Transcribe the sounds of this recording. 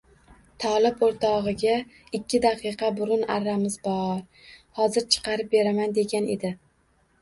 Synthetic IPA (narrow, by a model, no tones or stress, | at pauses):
t̪ʰɒlˠɪboɾt̪ʰɒʁɨɡʲa | ɪkʲːɪd̪aqʰɨqʰɑbʊɾʊnaɾːamɪzbɒɾ | hɒzɪɾt͡ʃʰɨ̥qʰɑɾɪp̚be̞ɾamand̪e̞ɡʲane̞̰d̪ɪ